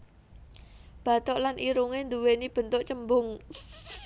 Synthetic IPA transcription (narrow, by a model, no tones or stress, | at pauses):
b̥ä̤t̪oʔlanʔiɾuŋend̪uwenib̥ə̤nt̪oʔt͡ʃəmbʊŋ